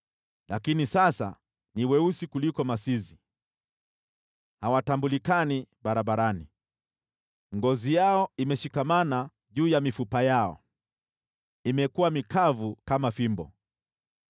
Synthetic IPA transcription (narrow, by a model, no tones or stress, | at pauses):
lakinisasa̰ | niwɛusikulikɔmasizi | hawatambulikanibaɾabaɾani | ŋɡɔzijaɔimɛʃikamana | ʄuːjamifupajaɔ̰ | imɛkuwamikavukamafimbɔ̰